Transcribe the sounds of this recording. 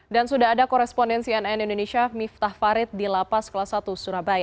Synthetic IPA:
dansudaɦadakɔɾɛspɔndɛnsiɛnɛnindoneʃiamift̪ahfaɾɪt̪̚dilapaskalasat̪usuɾabaja

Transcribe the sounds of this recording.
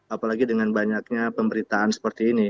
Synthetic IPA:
apalaɡidəŋanbaɲak̚ɲapəmbəɾit̪aansə̥pərt̪iːni

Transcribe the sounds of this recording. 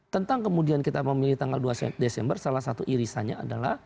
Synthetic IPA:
t̪ənt̪aŋkəmudiankit̪aməmiliht̪aŋɡalduasdesɛmbərsalahsat̪uʔiɾisaɲaa̰dala̰h

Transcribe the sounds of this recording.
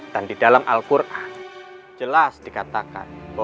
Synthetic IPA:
d̥andidalamʔa̰lkurʔa | d͡ʒəlasd̥ikat̪aka̰nbo

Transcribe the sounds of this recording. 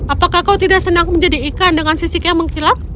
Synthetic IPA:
apakahkawt̪idaʔsənaŋməɲd͡ʒadiːkandəŋansisikajaməŋkilak̚

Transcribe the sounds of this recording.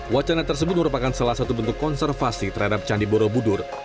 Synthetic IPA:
wat͡ʃanat̪ərsəbʊt̪̚məɾupakansalahsat̪ubənt̪ʊkːɔnsɛrfasit̪ərhadap̚t͡ʃandiboɾobudʊr

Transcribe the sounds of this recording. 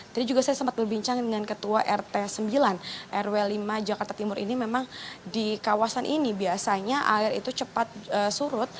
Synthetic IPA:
d͡ʒadid͡ʒuɡasajasampat̪̚bərbiɲt͡ʃaŋdəŋankət̪uaʔɛrt̪esəmbilanʔɛrwelimad͡ʒakart̪at̪imʊɾḭnimemaŋdikawasanʔinibiasaɲaʔaɪɾḭt̪ut͡ʃəpat̪̚əsuɾʊt̪̚

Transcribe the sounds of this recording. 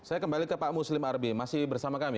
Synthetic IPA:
sajakəmbalikəpamuslɪmarbimasɪhbərsamakami

